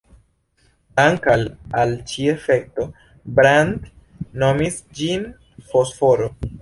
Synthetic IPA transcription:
aŋkalalt͡ʃiefek̚to | bɾand | no̞mis | d͡ʒin | fosfoɾo

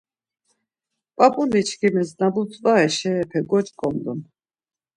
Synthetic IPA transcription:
pʼapʼunit͡ʃʰkʰimɛznabut͡s̪ʼvaɛʃɛːpʰɛɡɔt͡ʃʼkʼɔmd̪un

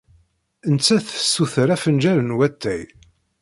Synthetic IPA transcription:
ənt͡sːæθə̥sːuθəɾæfənd͡ʒæɾənwæt̪ːæj

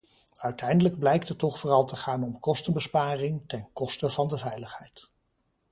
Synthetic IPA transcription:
œɥtɛjndələɡblɛjk̚tətːɔχfʊːrɑlˠtəχaːnɔmkɔstənbəspaːrɪŋtɛnkɔstəvɑndəvɛjləχhɛjt

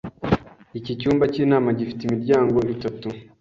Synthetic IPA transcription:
icicuːmbaciːnaːmaɟifi̥teimiɾɟaːŋɡo̞itatu

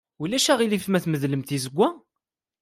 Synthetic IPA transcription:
ulæʃæʁilifmæθməðləmt̪izəɡʷːæ

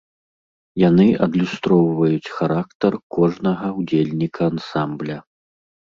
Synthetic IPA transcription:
janɨʔɐd̪lʲust̪ɾɔwvɐjut͡sʲxaɾakt̪ɐrkɔʐnɐɣɐwd͡zʲelʲnʲikʰɐːnsamblʲɐ

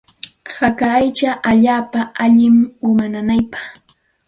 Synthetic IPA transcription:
hakaːjt͡ʃaʔaʎaːpaaʎɪmʊmananajpɑ̥χ

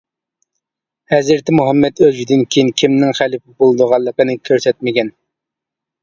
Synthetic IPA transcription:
hɛzɪɾt̪ʰɪmuɦɑmːɛd̪øzd̪ɪnkʲʰijinkʲʰimnɪŋχælɪpɪbolˠɨd̪ʊʁɑlˠːəqənɨkʲʰøɾsɛt̪̚mɪɡʲɛn

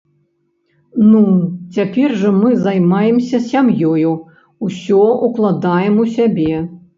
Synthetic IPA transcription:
nut͡sʲapʲɛrʐɐmɨzajmajɛmsʲɐsʲamjɔju | usʲɔuklˠad̪ajɛmusʲabʲɛ

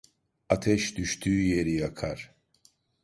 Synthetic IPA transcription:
at̪ʰɛʃd̪yʃt̪ʰyːje̞ɾijakʰaɾ̥

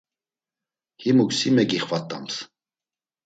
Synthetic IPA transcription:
himuksimɛkiχvat̪ʼːams

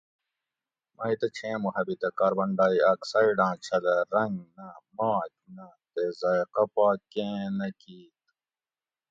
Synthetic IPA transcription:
mɐit̪ɐt͡ɕʰẽːmuhɐbit̪ɐkaːɾbɐɳɖaːiɐksɐiɖãːt͡ɕʰɐlɐɾɐŋɡnɐmaːt͡ʃnɐt̪ezɐjqɐpaːkẽːnɐkiːt̪̚

